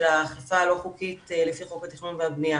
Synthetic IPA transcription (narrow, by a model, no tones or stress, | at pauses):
laχlafaːlo̞χukit̪elefiχokhat̪iχnunveabnia